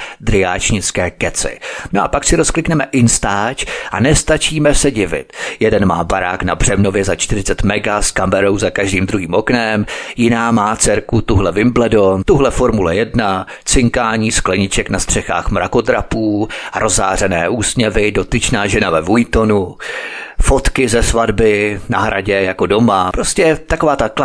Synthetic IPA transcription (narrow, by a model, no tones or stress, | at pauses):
d̪ɾɪaːt͡ʃɲɪt͡skɛːkɛt͡sɪ̰noʔa̰paksɪɾo̞sklɪknɛmɛʔɪnst̪aːt͡ʃʔanɛst̪at͡ʃiːmɛsɛɟɪvɪ̰t̪jɛdɛnma̰ːbaɾa̰ːknabr̝̥ɛmno̞vjɛzat͡ʃt̪ɪrɪt͡sɛt̪mɛɡaskamɛɾo̞wzakaʒdiːmd̪ɾuɦiːmʔo̞knɛmjɪnaːmaːt͡sɛɾkut̪uɦlɛvɪmblɛdont̪uɦlɛfo̞ɾmulɛjɛdna | t͡sɪŋkaːɲiːsklɛɲɪt͡ʃɛknast̪r̝̥ɛxa̰ːxmɾʔa̰ko̞t̪ɾapuːaɾʔo̞za̰ːr̝ɛnɛːʔuːsɲɛvɪdo̞t̪ɪt͡ʃnaːʒɛnavɛvujt̪o̞nu | fo̞t̪kɪzɛsvadbɪnaɦɾʔa̰ɟɛjako̞do̞mapɾoscɛt̪ako̞vaːt̪ak